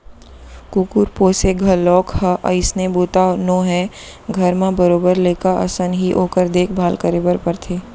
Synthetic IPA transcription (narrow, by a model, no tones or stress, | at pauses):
kukuɾpoːseɡʱɐlɔːkhɐʔə̰ɪsneboːt̪anõːɦɛɡʱɐɾmãbəɾoːbəɾleːkaʔɐ̰sənɦiʔoːkəɾd̪eːkʰbʱaːlkəɾebəɾpəɾt̪ʰeː